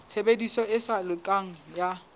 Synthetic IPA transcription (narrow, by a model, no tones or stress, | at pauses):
t͡sʰebedisɔɪsalɪkʼaŋ̩ja